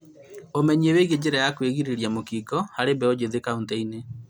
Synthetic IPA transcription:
omɛɲieweɣed͡ʑeɾajakweɣiɾeɾjamokikɔhaɾebɛod͡ʑeðekaunteine

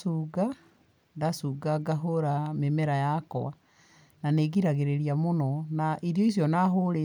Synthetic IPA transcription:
suːɡa | ndasuːɡaɡaɦoɾamemɛɾajakɔ̰a | naneɣiɾaɣeɾeɾiamonɔnaʔiɾjɔis̬jɔnaɦoɾe

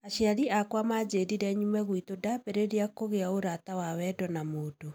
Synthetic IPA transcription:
aɕiaɾiakwamad͡ʑediɾɛɲumɛɣwitodabeɾeɾeakkoɣeaoɾatawawɛdɔnamoːdo

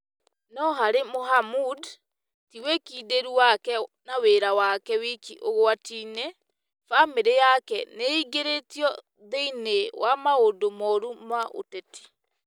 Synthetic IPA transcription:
nɔɦaɾemoɦamud | tiwekideɾuwakɛnaweɾawakɛwekḭʔoɣoatinɛ | fameɾejakɛneiɡeɾetiɔ | ðeinewamaodomɔɾumaʔo̰tɛti̥

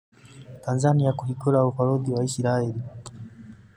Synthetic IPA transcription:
tanzaniakuhiɡɔlaufaɾɔdiwaisiɾaɛli

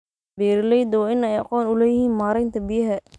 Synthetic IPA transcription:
bɛːɾlɛjd̪wːɪnɛjɑ̰qɔːnʊlɛːjɪhiːnmaːɾɛjnt̪ʰɐbɪjɐɦɛ

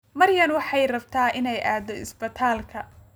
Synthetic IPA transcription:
mɐrjɐnwɑħɑjrɐbt̪ʰaːʔɪnɛjʔaːd̪ɔɪ̰sbɐt̪ʰaːlkʰɐ

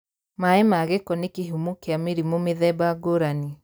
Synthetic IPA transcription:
maemaɣekɔnekeɦumokeameɾimomeðɛbaɡoɾani

